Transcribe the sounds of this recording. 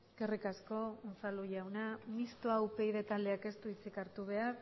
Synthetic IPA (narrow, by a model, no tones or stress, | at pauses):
eske̞rikasko̞ont͡saluʝawnamist̪oawpe̞iðet̪ald̪eake̞st̪uit͡sikaɾt̪uβ̞e̞aɾ